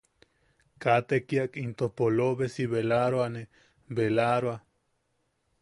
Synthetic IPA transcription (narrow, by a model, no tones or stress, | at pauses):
kat̪ekiakint̪ohpoloβesiβelaɾoane | belaɾoa